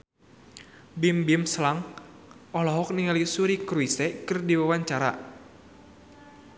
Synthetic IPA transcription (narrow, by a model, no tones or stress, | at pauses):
bimbimslaŋ | ɔlɔɦɔk̚niŋalisuɾikɾuisɛkɨrdiwawaɲt͡ʃaɾa̰